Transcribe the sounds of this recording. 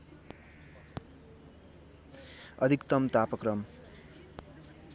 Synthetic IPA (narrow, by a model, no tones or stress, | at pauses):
ʌd̪ʱikt̪ʌmt̪apʌkrʌm